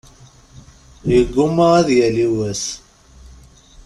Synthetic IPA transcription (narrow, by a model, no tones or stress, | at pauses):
jəɡːuməæðjæliwæs